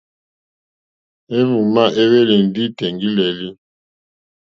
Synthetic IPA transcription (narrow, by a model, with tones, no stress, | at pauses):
e˦mu˨ma˦ʔe˦we˦le˨n˨di˦tɛ˨ŋɡi˦lɛ˨li˦